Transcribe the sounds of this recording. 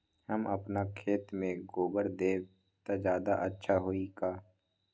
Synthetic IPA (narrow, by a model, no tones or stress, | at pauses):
həmɐpnakʰeːt̪mẽɡoːbəɾd̪eː | t̪ad͡ʒjaːd̪aʔətːʃʰaɦoikaː